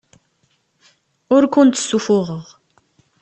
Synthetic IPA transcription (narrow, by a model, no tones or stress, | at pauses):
ʊɾkʷʊnt̪ə̥sːufʊʁəʁ